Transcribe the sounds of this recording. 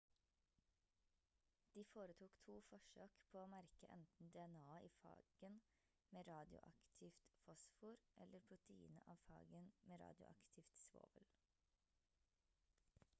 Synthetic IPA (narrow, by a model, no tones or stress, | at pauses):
d̪̥iːfoːɾət̪ʰuːkt̪ʰuːfɔʃøːkpʰoːoːmæɾkəʔɛ̰nt̪n̩d̪ɛɛnɑːiːfɑ̰ːɡ̥ən | meːɾɑːd̪ɪʊ̰ʔɑ̰kt̪ʰɪft̪fɔsfuːɾʔɛləɾpʰɾʊt̪əḭːnə̰ʔɑːʋfɑ̰ːɡənmeːɾɑ̰ːd̪jʊ̰ʔɑ̰kt̪ʰɪft̪sʋo̰ːʋəl